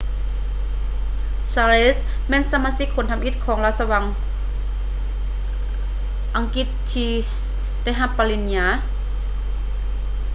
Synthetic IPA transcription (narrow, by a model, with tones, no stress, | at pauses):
saː˧le˧˥s | mɛː˧˥˨nsa˧maː˧si˧˥kʰːo˧˦nt̪ʰa˧mʔi˧˥t̪̚kʰɔː˩˦ŋla˧t̪̚sa˧wa˧˦ŋ | ʔa˨˧ŋki˧˥t̪̚ʰːiː˧ | da˧˩˨jɦa˧pːaː˧li˧˩ni˧a˧˩